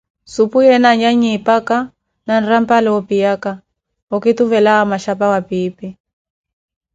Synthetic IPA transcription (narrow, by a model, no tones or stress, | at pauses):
supujɛnaɲaɲipaka | nan̩ram̩palɛɔpijaka | ɔkit̪uvɛlaamaʃapawapiːpi